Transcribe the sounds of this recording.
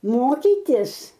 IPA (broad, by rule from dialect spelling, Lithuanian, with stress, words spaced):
ˈmoːkʲiːtʲɪs